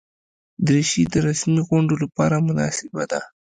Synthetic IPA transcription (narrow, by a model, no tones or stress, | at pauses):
d̪ɾeʃid̪əɾasmiɣʊɳɖolapɑɾamʊnɑ̰sɪbad̪a